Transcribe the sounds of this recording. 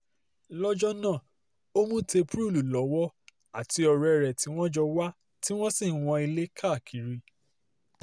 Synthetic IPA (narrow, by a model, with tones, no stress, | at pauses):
lɔ˦d͡ʒɔ˦nã˦˨ | o˦mũ˦te˧pɾu˦˨lu˨lɔ˨˦wɔ˦ | a˦˨ti˨˧ɔ˧ɾɛ˧˨ɾɛ˨ti˨˦w̃ɔ̃˦d͡ʒɔ˧wa˦ | ti˦w̃ɔ̃˦sĩ˦˨w̃ɔ̃˧i˧le˦kʰa˦˨kʰi˨˦ɾi˦